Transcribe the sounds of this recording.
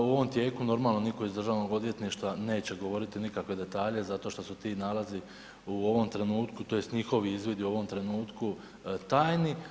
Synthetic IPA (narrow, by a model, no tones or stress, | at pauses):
uo̞ʋo̞mt̪je̞ːkuno̞ɾmaːlˠno̞niko̞izd̪ɾr̩ʒaːʋno̞ɡo̞d̪ʋje̞t̪niʃt̪ʋane̞ːt͡ɕe̞ɡo̞ʋo̞ɾit̪inikakʋe̞d̪e̞t̪aːʎe̞zat̪o̞ʃt̪o̞sut̪iːnalazi | uo̞ʋo̞mt̪ɾe̞nuːt̪kut̪o̞je̞st̪ɲixo̞ʋiizʋid̪iuo̞ʋo̞mt̪ɾe̞nuːt̪ku | t̪aːjni